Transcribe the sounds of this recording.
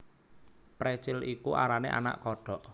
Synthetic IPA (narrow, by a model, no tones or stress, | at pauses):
pɾɛt͡ʃɪlikuʔa̰ɾanḛʔa̰na̰ʔkɔɖ̥ɔ̤ʔ